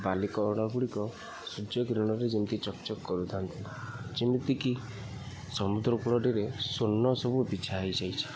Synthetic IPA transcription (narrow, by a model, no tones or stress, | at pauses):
balikɔːɽ̃aɡuɽikɔ | sud͡ʒjɔɡɾuɽ̃ɔɾed͡ʒint̪it͡ʃɔkt͡ʃɔkːɔɾut̪ʰant̪ʰi | d͡ʒint̪iki | sɔmud̪ɾɔkuɭɔɖiɾesonːɔsɔbubit͡ʃʰajd͡ʒajt͡ʃʰi̥